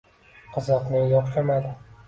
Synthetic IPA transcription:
qʰɨzɒqnɪjɒqʃamad̪ɪ

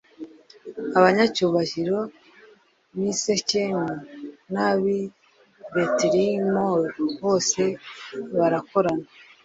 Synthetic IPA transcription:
aβaɲacuːβaʒiɾo̞ | βiseceɲanaβi | βeteɾimoɾβo̞ːse̞βaɾako̞ɾana

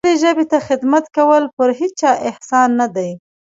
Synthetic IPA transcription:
ɽeʒəbet̪axɪd̪mat̪kawəlpəɾɦit͡st͡ʃɑʔɪhsɑnːad̪aj

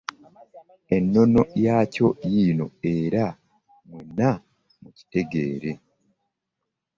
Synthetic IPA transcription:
e̞nːo̞no̞jaːco̞jino̞e̞ɾa | munːa | muci̥te̞ɡe̞ːɾe̞

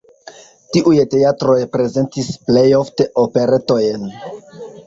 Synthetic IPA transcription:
tiʔujte̞atɾo̞jpɾe̞ze̞ntisple̞jofte̞ʔope̞ɾe̞to̞jen

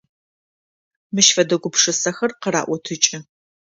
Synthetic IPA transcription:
mɨʃfɐdɐɡʷʊpʂɨsɐxɐrqəɾa̰ːʔʷɔtʰɨt͡ʃʼɪ

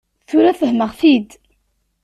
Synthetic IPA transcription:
θʊɾæfəhməʁfid̪

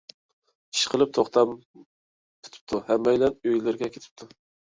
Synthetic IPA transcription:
i̥ʃqʰəlˠɨp̚t̪ʰoχt̪ʰɑm | pʰy̥t̪ʰɪ̥p̚t̪ʰuhɛmːɛjlɛnøjlɪɾɡʲɛkʲe̥t̪ʰɪ̥p̚t̪ʰu

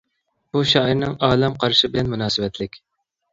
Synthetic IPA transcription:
b̥uʃɑːiɾnɨŋɑːlɛmqʰɑɾʃɪbɪlɛnmunɑːsɨwɛt̪ʰlɪkʲ

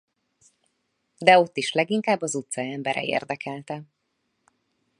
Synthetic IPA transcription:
d̪ɛo̞t̪ːiʃlɛɡiŋkaːbːɒzut̪sɒɛmbɛɾɛ̰ḛːrd̪ɛkʰɛlt̪ɛ

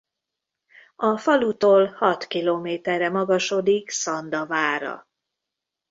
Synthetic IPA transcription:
ɒfɒlut̪oːlhɒt̪kiloːmeːt̪ɛrːɛmɒɡɒʃo̞d̪iksɒnd̪ɒvaːɾɒ̰

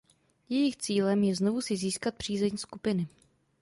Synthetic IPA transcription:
jɛjɪxt͡siːlɛmjɛzno̞vusɪziːskat̪̚pr̝̥iːzɛɲskupɪnɪ

